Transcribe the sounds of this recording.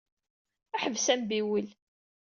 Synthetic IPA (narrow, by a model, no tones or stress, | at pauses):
æħəvsæmbiwil